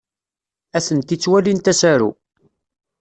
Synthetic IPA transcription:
æθənt̪it͡sːwælint̪æsæɾṵ

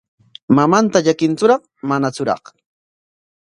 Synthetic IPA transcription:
mamant̪aʎakɪnt͡sʊɾɑχ | manat͡sʊɾɑ̰χ

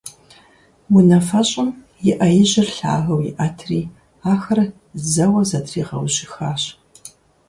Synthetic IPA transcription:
wʊnɐfɐɕʼɐm | jɪʔɐjɪʑɪrɬa̰ːɣɐwjɪ̰ʔɐtʰriː | aːxɐr | zɐwɐzɐtʰriːʁɐ̰wʑɪxaːɕ

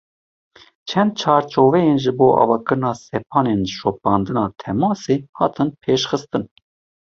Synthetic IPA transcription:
t͡ʃʰɛnd̪̚t͡ʃʰɑːɾt͡ʃʰoːvɛjeːnʒɨboːʔɑ̰ːvɑːkɨɾɨnɑːsɛp̚ʰɑːneːnʃop̚ɑːnd̪ɨnɑːt̪ʰɛmɑːseːhɑ̰ːt̪ʰɨnpʰeːʃxɨst̪ɨn

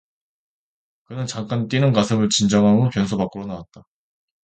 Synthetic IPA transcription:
kɯnɯnt͡ɕaŋk͈ant͈inɯnkasʰɯmɯɭt͡ɕind͡ʑʌŋɦamopjʌnsʰobak͈ɯɾonawat̚t͈a

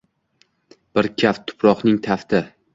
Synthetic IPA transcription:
b̥ɪɾkʲʰaft̪ʰʊ̥pɾɒqnɪŋt̪ʰaft̪ɪ

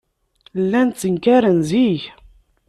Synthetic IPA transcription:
lːænt̪t͡sːəŋkæɾənziʝ

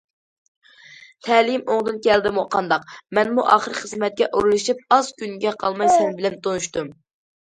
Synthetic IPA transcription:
t̪ʰɛlɪmoŋd̪ɨnkʲʰɛld̪ɪmuqʰɑnd̪ɑqmɛnmuʔɑːχəɾɨχəzmɛt̪̚kʲɛʔuɾulˠɨʃip̚ɑz̥kʲynɡʲɛqʰɑlˠmɑjsɛnbɪlɛmt̪onuʃt̪um

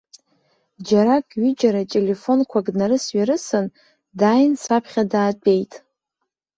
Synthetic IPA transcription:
d͡ʒaɾakʼɥid͡ʒaɾatʼe̞le̞fo̞nkʷʰaɡnaɾɨsɥaɾɨsɨn | dajnsapʰχʲadaːtʼe̞jtʼ

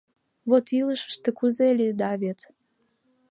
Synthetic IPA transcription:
βot̪iləʃə̥ʃt̪ĕkuzelʲid̪ɑβet̪

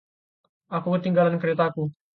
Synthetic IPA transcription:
ʔakukət̪iŋɡalankəɾet̪aku

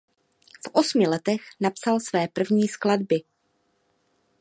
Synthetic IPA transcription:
fʔo̞smɪlɛt̪ɛxnapsalsvɛːpr̩vɲiːskladbɪ

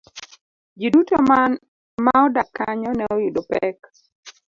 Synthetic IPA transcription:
d͡ʒidutoman | maɔdakːaɲɔnɛɔjudopɛk

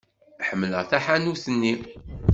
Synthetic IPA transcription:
ħəmːlə̰ʁθaħanuθənːi

